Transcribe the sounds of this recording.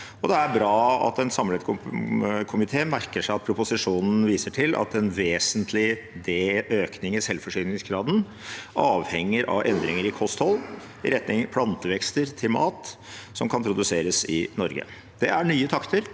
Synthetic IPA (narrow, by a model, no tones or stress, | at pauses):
ɔd̪ɛæɾbɾɑːɑ̰t̪ɛnsɑmːɭə | kʰʊmɪt̪ʰeːmæɾkəʂæɪɑt̪̚pʰɾʊpʊsɪʂuːnn̩ʋiːsəʈʰɪlʔɑ̰t̪ɛnʋeːsənt̪ʰlɪ | d̪eːøːknɪŋɪsɛlːfɔʂiːnnɪŋsɡɾɑːd̪ən̩ | ʔɑːʋhɛŋːəɾʔɑ̰ʋʔɛ̰nd̪ɾɪŋəɾɪkʰɔst̪hɔlː | ɪ̰ɾɛt̪nɪŋpʰlɑnt̪əʋɛkst̪əɾt̪ʰɪlmɑːt̪ | sɔmkʰɑnpʰɾʊd̪ʉseːɾəsɪnɔɾɡə̰ | d̪ɛæɳyːət̪ʰɑkt̪ʰəɾ